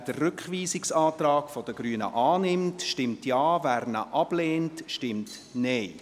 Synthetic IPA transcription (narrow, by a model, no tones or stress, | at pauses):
d̥ərːʏkχʋiːsɪksɑːtrɑːkfɔd̥əɡɾyənə̰ʔɑːnɪmtʃtɪmtjɑːvæːɾnə̰ʔɑb̥leːntʃtɪmt | nɛɪ